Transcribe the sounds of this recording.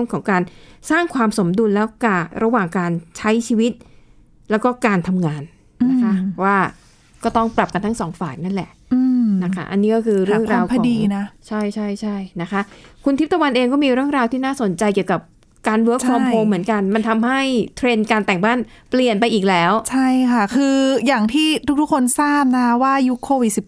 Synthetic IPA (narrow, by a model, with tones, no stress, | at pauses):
ɯ˥˩əmkʰɔː˩˦ŋkaː˧nsaː˥˩ŋkʰwaː˧mso˩˦mdu˧nlɛː˦˥wka˨˩ɾa˧waː˨˩ŋkaː˧nt͡ɕʰa˦˥jt͡ɕʰiː˧wi˦˥t̪̚ | lɛː˦˥wkɔː˥˩kaː˧nt̪ʰa˧mŋaː˧n | a˦˥kʰa˦˥˧waː˥˩ | kɔː˥˩t̪ɔ˥˩ŋpla˨˩p̚ka˧nt̪ʰa˦˥ŋsɔː˩˦ŋfaː˨˩k̚na˥˩nlɛ˨˩ʔ | na˦˥kʰa̰˦˥ʔa˧nːiː˦˥kɔː˥˩kʰɯː˧ɾɯ˥˩˧əŋɾaː˧wʰa˧˦diː˧na˦˥t͡ɕʰa˥˩jt͡ɕʰa˥˩jt͡ɕʰa˥˩jna˦˥kʰa˦˥kʰu˧nt̪ʰi˦˥pt̪ʰːa˧wa˧nʔeː˧ŋkɔː˥˩miː˧ɾɯ˥˩əŋɾaː˧wt̪ʰiː˥˩naː˥˩so˨˩˦nt͡ɕa˧jki˨˩əwka˨˩p̚ | kaː˧nwəː˦˥kt͡ɕʰkʰfɾɔː˧mpʰoː˧mːɯ˩˦ənka˧nma˧nt̪ʰa˧mha˥˩jt̪ʰɾe˧nkaː˧nt̪ɛ˨˩ŋbaː˥˩npli˨˩ənpa˧jʔiː˨˩k̚lɛː˦˥wt͡ɕʰa˥˩jkʰa˥˩kʰɯː˧jaː˨˩ŋt̪ʰiː˥˩t̪ʰu˥kt̪ʰu˥kʰo˧nsaː˥˩p̚na˦˥kʰa˦˥waː˥˩ju˦˥kʰoː˧wi˨˩t̪̚si˨˩